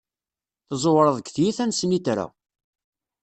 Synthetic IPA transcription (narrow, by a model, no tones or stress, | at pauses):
θzˤowɾˤəðˤəɡθjiθænsmiθɾæ̰